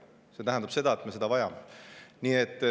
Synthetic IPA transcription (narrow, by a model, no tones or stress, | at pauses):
se̞t̪æɦænd̪ɑb̥se̞d̪ɑet̪me̞se̞d̪ɑvɑjɑmeniet̪ː